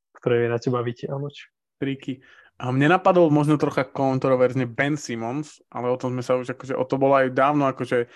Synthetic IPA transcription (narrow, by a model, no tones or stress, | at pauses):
kt̪ɔɾɛːmɪɛnacɛbaʋicɛʔanɔt͡ʃ | t̪ɾiki | mɲɛnapad̪ɔlˠmɔʒnɔt̪ɾɔxakɔnt̪ɾɔʋɛɾzɲɛbɛnsimɔns | ʔa̰lɛɔt̪ɔmzmɛsauʒakɔʒɛʔɔt̪ɔbɔlɔajd̪aːʊnɔakɔʒɛ